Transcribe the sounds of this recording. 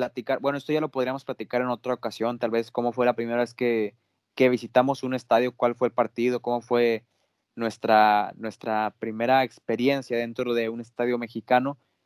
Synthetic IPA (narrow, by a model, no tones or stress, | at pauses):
plat̪ikaɾbwe̞noest̪o̞ʝalo̞po̞ð̞ɾiamosplat̪ikaɾe̞no̞t̪ɾaokasjo̞nt̪alβe̞sko̞mo̞fwe̞lapɾime̞ɾaβe̞ske | ke̞β̞isit̪amo̞sune̞st̪aðjo̞kwalfweːlpaɾt̪iðo̞ko̞mo̞fwe̞ | nwe̞st̪ɾanwe̞st̪ɾapɾime̞ɾaekspe̞ɾje̞nsjaðe̞nt̪ɾo̞ð̞e̞une̞st̪aðjo̞me̞xikano̞